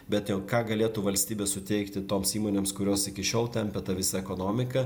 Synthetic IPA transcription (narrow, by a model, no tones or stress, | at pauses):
bʲɛt̪joːkɑːɡɐlʲeːt̪uːʋɐlʲsʲt̪ʲiːbʲeːssʊt̪ʲɛɪkt̪ʲɪt̪oːmsiːmoːnʲeːmskʊɾʲoːsɪkʲɪʃʲoːlˠt̪ʲɛmʲpʲɛt̪ɐʋʲɪsɐɛkoːnoːmʲɪkɐ